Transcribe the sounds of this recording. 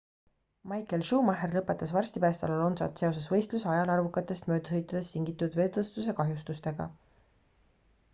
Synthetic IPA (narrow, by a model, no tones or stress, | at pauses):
mɑjkelʃuːmɑɦerlɤpːˑe̞t̪ːˑɑsvɑrsʲt̪ipæːst̪ɑ̰lɑlo̞nsɑ̰t̪se̞o̞s̬esvɤ̞jst̪lusɑjɑlɑrvukːˑɑt̪ːˑe̞st̪mø̞ːd̪əɦɤjt̪ːˑɑd̪̥e̞st̪iŋɡit̪ːˑud̪̥ve̞ːd̪ɤst̪use̞kɑɦjust̪ust̪e̞ɡ̥ɑ̰